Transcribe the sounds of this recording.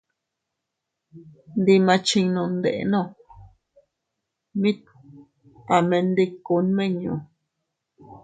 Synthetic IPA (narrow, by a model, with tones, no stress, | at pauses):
nd̪i˧mã˧t͡ʃi˧ŋnõ˧˨nd̪ḛ˨ʔḛ˧nõ˦˧˨ | mĩ˦t̪̚ | pa˨mẽ˧nd̪i˧ku˧˦nmẽ˦ɲõ̰˨